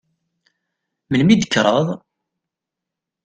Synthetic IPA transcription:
məlmid̪əkːɾˤəðˤ

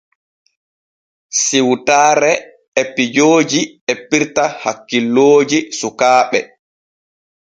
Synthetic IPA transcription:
siwtaːɾɛ | epːid͡ʒoːd͡ʒiepːiɾtahakːilːoːd͡ʒisukaːɓɛ

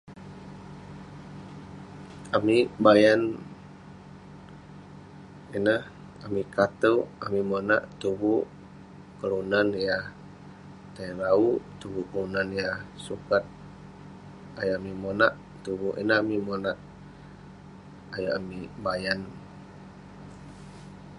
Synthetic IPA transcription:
amibajan | inəh | amikat̪əwamimona̰ʔt̪ubuʔ | kəɾunanjah | t̪ajɾaut̪ubuʔkəlunanjahsukat̪̚ | ajaʔamimonaʔ | t̪uβuʔḭnəɦamimonaʔ | ajaʔamibajan

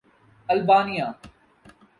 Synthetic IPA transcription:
ɐlbaːnijaː

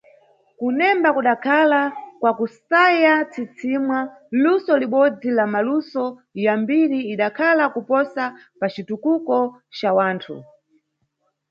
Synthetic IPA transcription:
kunɛmbakuɗakʰalakwakusajat͡sit͡sʰimwa | lusɔliɓɔd͡zilamalusɔjambiɾiːɗakʰalakupɔsa | pat͡ʃitukukɔt͡ʃawaːntʰṵ

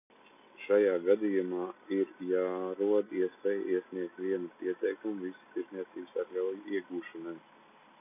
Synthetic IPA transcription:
ʃajaːɡad̪ijumaːiɾjaːɾuɔd̪iɛspɛj̰ʔiɛsʲnʲiɛk̚t̪ʲʋʲiɛnupiɛt̪ɛjkumuvisu̥t̪iɾznʲiɛt̪siːbsaɾɡawjiɛɡuːʃanaj

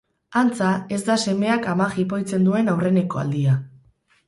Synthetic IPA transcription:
ant͡sae̞zd̪ase̞me̞akamaxip̬o̞jt͡se̞nd̪ue̞nawre̞ne̞ko̞a̰ld̪ia

